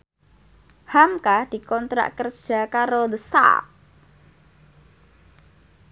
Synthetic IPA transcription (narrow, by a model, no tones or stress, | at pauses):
hamkad̪̥i̤kɔnt̪ɾa̰ʔkərd̥ʒ̥a̤kaɾoðəsa̰